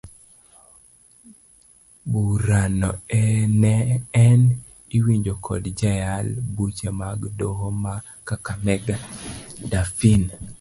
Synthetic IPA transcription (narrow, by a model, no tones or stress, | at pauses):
buɾanɔɛnɛɛn | iwiɲd͡ʒokʰɔ̰dd͡ʒajalbut͡ʃemaɡdohoma | kakamɛɡadafin